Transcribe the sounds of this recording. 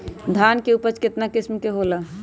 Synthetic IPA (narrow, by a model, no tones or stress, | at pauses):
d̪ʱaːnkeupət͡ʃkɪt̪nakɪsmkeɦola